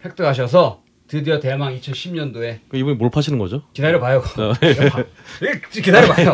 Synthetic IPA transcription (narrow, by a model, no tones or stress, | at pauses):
pʰek̚t͈ʰɯɦaɕ̬ʰʌs̬ʰʌ | tɯdɯjʌtemaŋit͡ɕʰʌnɕʰimɲʌndoe̞kɯibunimoɭpʰaɕʰinɯnŋɡʌ̰d͡ʑokidaɾjopajʌɡe | kidaɾjopajʌ